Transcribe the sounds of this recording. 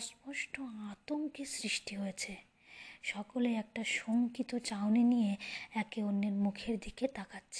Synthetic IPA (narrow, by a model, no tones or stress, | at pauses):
smoʃʈoat̪oŋkisɾiʃʈiɦojet͡ɕʰe | ʃɔkoleɛk̚ʈaʃoŋkit̪ot͡ɕawnenijeɛkeonːeɾmukʰeɾd̪iket̪akatːɕʰe